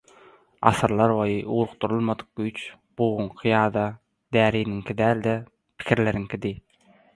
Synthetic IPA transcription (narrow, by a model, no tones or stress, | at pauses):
ɑ̰sɯɾlˠɑɾbojɯʔuɾuq̚t̪uɾulˠmɑd̪ɯ̥q̚ɡyjt͡ʃ | b̥uːʁuŋqʰɯjɑːd̪ɑ | d̪æːɾiːniŋkʰid̪æːlʲd̪e | pʰi̥kʰiɾle̞ɾiŋkʰʲid̪i